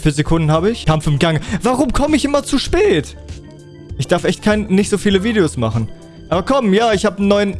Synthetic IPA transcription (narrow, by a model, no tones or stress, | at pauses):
fiːɐzekʰʊndn̩haːbəɪçkʰamfɪmɡaŋvaʁʊmkʰɔməɪçʔɪmɐt͡suʃpɛːt | ʔɪçd̥aɐfʔɛçtkʰaɪnnːɪçtz̥oːfiːləviːdeosma̰χn̩ | ʔaːbɐkʰɔmjaːɪçhaːbən̩ːɔʏən